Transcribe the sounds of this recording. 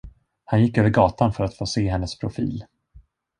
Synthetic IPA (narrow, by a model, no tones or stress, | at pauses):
hanjɪkːøːvəɾɡɑːt̪anfœɾat̪foːseːɦɛnːəspʰɾʊfḭːl